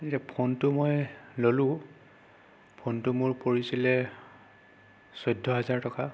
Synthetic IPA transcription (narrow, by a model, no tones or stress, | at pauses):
titapʰɔntʊmojlolʊ̃ | pʰɔntʊmʊɹpoɹisilɛ | sɔjdʱːɔɦazaɹtɔka